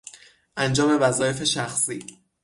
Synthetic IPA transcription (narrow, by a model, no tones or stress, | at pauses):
ʔænd͡ʒɒːme̞væzɒːje̞fe̞ʃæxsiː